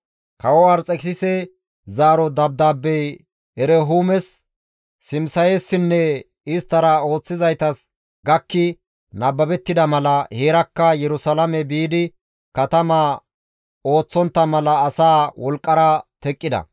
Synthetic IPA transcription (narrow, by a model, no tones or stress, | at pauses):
kɐwɔwaɾt͡sʼɛksɪsɛ | zaːɾɔd̪ɐb̚d̪aːbːɛj | ɛɾɛɦuːmɛs | sɪmsɐjeːsːɪnːɛ | ɪst̪ːɐɾɐo̞ːt͡sːɪzɐjt̪ɐs | ɡɐkːɪ | nɐbːɐbɛt̪ːɪd̪ɐmɐlɐheːɾɐkːɐjɛɾʊsɐlɐmɛbiːd̪ɪ | kɐt̪ɐma | o̞ːt͡sːɔnt̪ːɐmɐlɐːsaːwɔlkʼːɐɾɐt̪ɛkʼːɪd̪ɐ̰